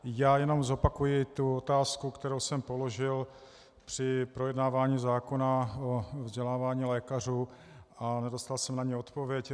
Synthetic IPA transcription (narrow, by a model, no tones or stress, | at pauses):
jaːjɛno̞mzo̞pakujɪt̪uot̪aːskukt̪ɛɾowsɛmpo̞lo̞ʒɪl | pr̝̥ɪpɾo̞jɛdnaːvaːɲiːzaːko̞naovzɟɛlaːvaːɲiːlɛːkar̝uː | anɛdo̞st̪alsɛmnaɲɛo̞t̪po̞vjɛc